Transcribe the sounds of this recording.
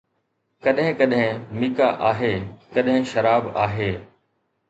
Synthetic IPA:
kɐɗɦɪ̃kɐɗɦɪ̃miːka̰ʔaːɦeːkɐɗɦɪ̃ʃɐɾaːbaːɦeː

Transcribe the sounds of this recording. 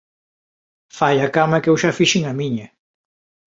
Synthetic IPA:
fajakamɐkewʃafiʃiŋamiɲɐ

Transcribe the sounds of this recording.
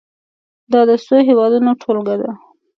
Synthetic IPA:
d̪ɑd̪əsojɦewɑd̪unoʈʰolɡad̪a

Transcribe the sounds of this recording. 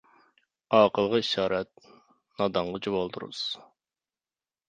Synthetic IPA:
ɑːqəlˠʁəiʃɑːɾɛt̪̚ | nɑd̪ɑɴʁɑt͡ʃʰibolˠd̪uɾṵz̥

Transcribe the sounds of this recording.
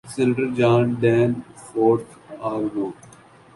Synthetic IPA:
sɪlʈəɾd͡ʒaːnɖɛːnfoːɾʈʰ | aːɡɾoː

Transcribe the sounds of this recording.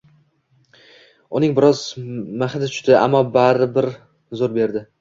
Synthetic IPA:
ʊnɪŋbɪɾɒzmaχɪd̪ɪt͡ʃ̪ʰʊ̥ʃt̪ɪʔa̰mːɒbaɾɪbɪɾ | zoɾbe̞ɾd̪ɪ

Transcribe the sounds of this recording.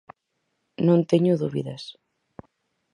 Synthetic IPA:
nõnt̪eɲuðuβḭðas

